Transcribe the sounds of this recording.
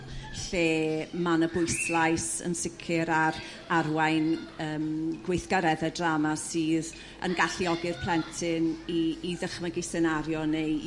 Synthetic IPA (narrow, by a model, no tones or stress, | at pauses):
ɬeːmanəbʊɨslˠajsə̰nsɪkʰɨɾaɾ | arwajnəːmɡ̥wejθɡ̥aɾɛðɛdramasɨːð | ə̰nɡaɬiɔɡɪrpʰl̥ˠɛntʰɪniːðəχmaɡɪsɛnaɾjɔnej